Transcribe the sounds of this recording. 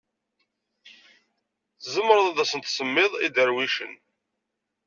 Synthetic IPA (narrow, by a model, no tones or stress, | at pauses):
θzəmːəɾˤəðˤæðæsənt̪səmːɪðˤid̪əɾwiʃə̰n